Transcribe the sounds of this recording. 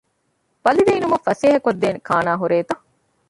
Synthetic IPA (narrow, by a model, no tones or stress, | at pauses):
b̥ɐlid̪eːnumɐfɐseːɦɐkod̪ːeːnekʰaːnaːɦuɾeːt̪ɐ